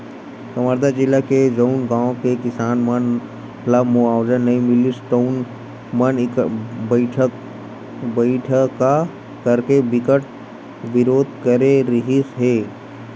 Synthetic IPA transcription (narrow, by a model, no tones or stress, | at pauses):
kɐməɾd̪ad͡ʒɪlːaked͡ʒəʊnɡãːõkekɪsaːnmɐn | lamʊaːwzənːɐĩmɪlisʈoʊn | mɐnbəɪʈʰək | bəɪʈʰəkːa | kəɾkebɪkəʈ̚ | ʋɪɾoːd̪ʱkəɾeɾɐɦisɦeː